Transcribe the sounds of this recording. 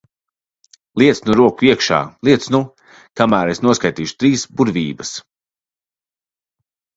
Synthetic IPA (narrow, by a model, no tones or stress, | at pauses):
lˠiɛt̪snuɾuɔkuiɛkʃa̰ːlˠiɛt̪snu | kamæːɾesnuɔskajt̪iːʃu̥t̪ɾiːsbuɾvʲiːbɐs